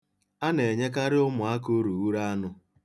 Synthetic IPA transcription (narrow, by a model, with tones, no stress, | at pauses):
a˦ne˨ɲe˦ka˦ɾɪ˦ʊ˦mʊ˨a˦ko˦ɾu˨wu˦ɾa˦a˦nʊ˦